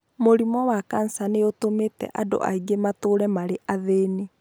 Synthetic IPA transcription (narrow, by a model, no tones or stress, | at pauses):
moɾimɔwakan̩saneotometɛ̰ʔado̰ʔa̰iɡematoːɾɛmaɾeʔʔaðeːne